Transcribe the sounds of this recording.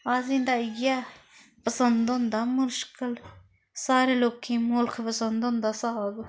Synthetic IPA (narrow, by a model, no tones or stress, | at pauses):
aːzĩːnd̪aːɪja | pəsə̃nd̪ʊ̃nd̪aːmʊɾʃkɪl | saːɾeːloːkʰẽːmʊlkʰpəsə̃nd̪õnd̪aːsaːɡ